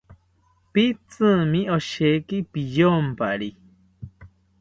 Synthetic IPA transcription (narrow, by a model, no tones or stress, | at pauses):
pit͡sɨ̃mĩoʃekipijompaɾi